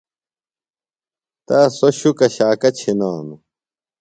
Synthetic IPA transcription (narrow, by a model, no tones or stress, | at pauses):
t̪aːsoɕukɐɕaːkɐt͡ɕʰinaːmu